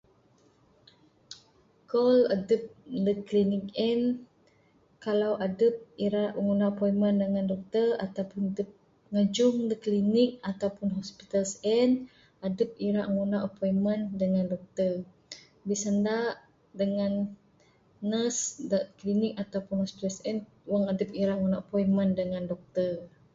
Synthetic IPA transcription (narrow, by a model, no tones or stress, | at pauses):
kɔlədəp̚dəklinikɛn | kalawʔadəp̚iɾaʔŋunaʔəpɔiməndəŋandɔk̚t̪ərat̪awpʊndəp̚ | ŋəd͡ʒʊŋdəklinɪk̚at̪awpʊnɦɔspi̥t̪alsɛn | adəp̚iɾaʔŋunaʔəpɔjməndəŋandɔk̚t̪ər | bisandaʔ | dəŋanː | əsdəʔklinɪk̚at̪awpʊnhɔspit̪alsɛn | waŋadəp̚iɾaʔŋunaʔəpɔjməndəŋandɔk̚t̪ər